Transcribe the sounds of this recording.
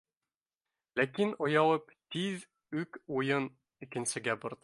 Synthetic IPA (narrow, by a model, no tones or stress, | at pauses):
lækinŏjɑlˠɤp | t̪ið | ʉkujɤn | ikɘ̆nsɘ̆ɡæbŏɾd̪ɤ